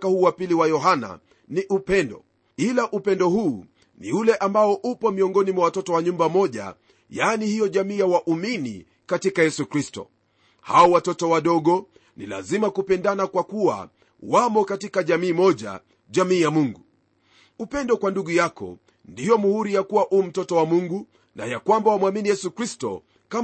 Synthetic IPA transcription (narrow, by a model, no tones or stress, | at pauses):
kahuːwapiliwajɔɦana̰ | niʔupɛndɔ̰ | ilaʔupɛndɔhuː | nḭulɛʔambaɔʔupɔmiɔŋɡɔnimwawatɔtɔwaɲumbamɔʄa̰ | janihijɔʄamiːjawaʔuminḭ | katikajɛsukɾistɔ̰ | haɔwatɔtɔwaɗɔɠɔ | nila̰zimakupɛndanakwakuwa̰ | wamɔkatikaʄamiːmɔʄa̰ | ʄamiːjamuŋɡu | upɛndɔkwanduɠujakɔ̰ | ndijɔmuhuɾijakuwaʔum̩tɔtɔwamuŋɡu | na̰jakwambawamwaminijɛsukɾistɔ̰ | ka